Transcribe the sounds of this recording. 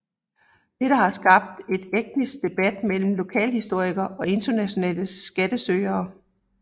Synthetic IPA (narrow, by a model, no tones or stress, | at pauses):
d̥eɾ̥əɦɑ̈sɡ̥ɑ̈b̥̚d̥e̝d̥eɡ̥̚nisɡ̥̚d̥e̝b̥æd̥mel̰m̩lo̝kʰɛ̰ːlhisd̥o̝ɐ̰iɡ̥ɐʔɒ̽e̝nd̥ɐnæɕo̝nɛ̰ːləsɡ̥æd̥əsøːɐː